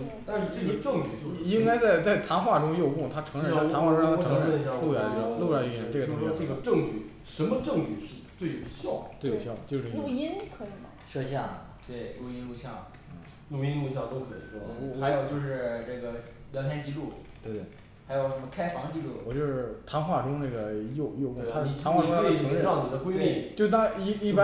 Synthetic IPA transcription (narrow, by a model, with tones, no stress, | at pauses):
t̪a˥˧nʂɻ̩˥˧ʈ͡ʂɤ˥˩ɡə˧ʈ͡ʂɤ˥˩ŋt͡ɕy˨˩t͡ɕjo˥˧i˥ŋka˥ɪt͡sa˥˩ɪt͡sa˥˩ɪt̪ʰa˧˥nxwa˥˩ʈ͡ʂʊ˥ŋjo˥˧ʊkʊ˥˩ŋt̪ʰa˥ʈ͡ʂʰɤ˧˥ŋɻə˨˥˧a˧˥nxwa˥˩˧ɤ˧˥˧ɻə˧˥˩jɑ˥˧˥lu˥˩ja˥˩˥lu˥˧ja˥˧˥y˥˩˧ʈ͡ʂɤ˥˩ɡto˥˧˥ɔ˥ʈ͡ʂɤ˥˩ɡə˩ʈ͡ʂɤ˥˧ŋt͡ɕy˥˩ | ʂə˧˥nmə˧ʈ͡ʂɤ˥˧ŋt͡ɕy˥˩ʂɻ̩˥˧˩t̪we˥˩ɪjo˨˩ʊɕjɑ˥˩ʊt̪we˥˩jɕjɑ˥˩ʊt͡ɕo˥˧˩ʈ͡ʂə˥˧˥i˥nkʰɤ˧˥i˨˧˩ɐ˩ʂɔ˥ɕjɑ˥˩ | t̪we˥˩ɪlu˥˩i˥nlu˥˧ɕjɑ˥˩ŋ̩˥˩ | lu˥˩˧i˥nlu˥˧ɕ̬jɑ˥˩ʊt̪o˥ʊkʰɤ˧˥ḭ˨˩ʂwɔ˥˧xa˧˥ɪjo˨˩ʊt͡ɕjo˥˧ʊʂ̬ɻ̩˥˧ʈ͡ʂɤ˥˩ɡə˩ | ljɑ˧˥ŋt̪ʰɛ˥nt͡ɕi˧˥lu˥˩t̪we˥˧ɪt̪we˥˩ | xa˧˥ɪjo˨˩ʊʂə˧˥mə˧kʰa˥ɪfɑ˧˥ŋt͡ɕi˧˥lu˥˩wɔ˨˩t͡ɕjo˥˧ʊʂɻ̩˥˩t̪ʰa˧˥ŋxwa˥˩ʈ͡ʂʊ˥ŋna˥˩ɡə˩jo˥˧ʊjo˥˧ʊkʊ˥˩t̪ʰa˥˨i˨˩a˧˥ŋxwkʰi˨˩ɤ˧˥ŋɻə˥˧˥ɑ˥˩ni˨˩d̪ə˦kwe˥li˥˩t͡ɕo˥˧ʂt̪a˥ŋi˥˩i˥˩p